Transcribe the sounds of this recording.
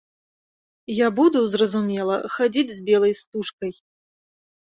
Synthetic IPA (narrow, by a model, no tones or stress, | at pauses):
jabud̪uzrɐzumʲɛlˠɐ̰xad͡zʲid͡zʲzʲbʲɛlˠɐjst̪uʂkɐj